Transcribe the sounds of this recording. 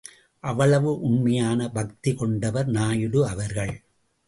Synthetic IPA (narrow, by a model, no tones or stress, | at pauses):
ʔɐʋɐɭɐʋɯʔʊɳmɐjaːnɐbɐk̚t̪ikɔɳɖɐʋɐɾnaːjɯɽɯɐʋɐɾɣɐɭ